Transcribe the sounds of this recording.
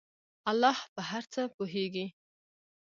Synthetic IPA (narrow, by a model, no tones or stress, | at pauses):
alːɑhpəɦaɾt͡səpoɦeɡi